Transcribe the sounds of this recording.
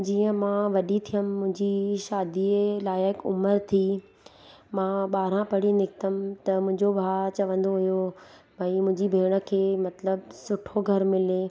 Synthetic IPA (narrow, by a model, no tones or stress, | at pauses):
d͡ʑiːə̃mãːʋɐɗit̪ʰijəmmːʊ̃ɦɪ̃ɲd͡ʑiʃaːd̪ilaːɪɦɪkʊ̰məɾt̪ʰi | mãːɓaːɾ̤ãpɐɽinɪkt̪əmɪt̪ɐmʊ̃ɦɪ̃ɲd͡ʑobʱaːt͡ɕɐʋə̃nd̪oɦijo | bʱaimʊ̃ɦɪ̃ɲd͡ʑibʱeːɽ̃ə̆kʰeːmɐt̪ləbsʊʈʰoɡʱɐɾmɪle